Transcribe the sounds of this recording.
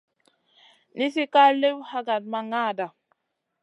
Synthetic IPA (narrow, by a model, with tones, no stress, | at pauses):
ni˦si˦ka˦le˦wha˦ɡa˨d̚ma˨ŋa˦˨da˨